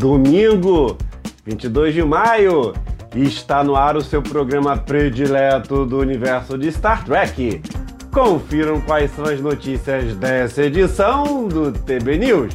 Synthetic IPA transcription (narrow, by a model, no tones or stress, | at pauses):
d̪omĩɡʊvĩnt͡ʃid̪ojzd͡ʒɪmajʊɪʃt̪anʊaɾʊsewpɾoɡɾɐ̃mɐpɾed͡ʒilɛt̪ʊd̪ʊunivɛɾsʊd͡ʒɪst̪aɾt̪ɾɛkɪ | kõfiɾmɐ̃w̃kwajsɐ̃w̃ɐznot͡ʃisiɐzd̪ɛsɐed͡ʒisɐ̃w̃d̪ʊt̪ebeniws